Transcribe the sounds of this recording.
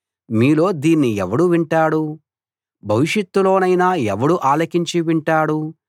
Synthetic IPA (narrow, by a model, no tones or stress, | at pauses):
miːlo̞ːd̪iːnːiɛʋɐɽuʋiɳʈaːɽu | bʱɐʋiʂjɐt̪ːulo̞ːnɐjnaːɛʋɐɽuʔaːlɐkiɲt͡ʃiʋiɳʈaːɽu